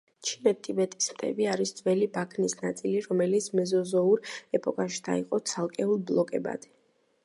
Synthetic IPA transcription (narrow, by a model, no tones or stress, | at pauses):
t͡ʃʰinɛt̪ʰibɛt̪ʼi̥smt̪ʼʰɛ̰biaɾisd̪z̥ʼvɛlibakʰnisnat̪sʼiliɾɔmɛlit̪sʰmɛzɔzɔuɾɛpʼɔkʼaʃi̥d̪ʰa̰iqʼɔt̪sʰalˠkʼɛulˠblˠɔkʼɛba̰d̪̥ɛ